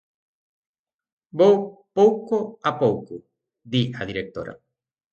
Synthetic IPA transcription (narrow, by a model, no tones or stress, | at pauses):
bowpowkoapowku | d̪iaðiɾek̚t̪o̰ɾa̰